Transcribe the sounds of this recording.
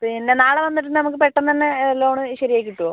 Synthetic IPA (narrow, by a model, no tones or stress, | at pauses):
pinːenaːɭɐʋɐnːitʈːunːɨnɐmukːɨpeʈːɐnt̪ɐnːeloːɳɨɕɐɾijaːjkːiʈːuo